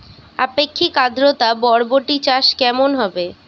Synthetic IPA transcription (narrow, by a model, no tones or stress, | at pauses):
a̰pekʰːikad̪ʱɾot̪abɔɾboʈit͡ɕaʃkɛmonɦɔbe